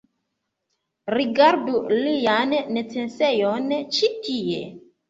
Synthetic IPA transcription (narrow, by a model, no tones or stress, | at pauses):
ɾiɡaɾdulijanːet͡sensejont͡ʃitiḛ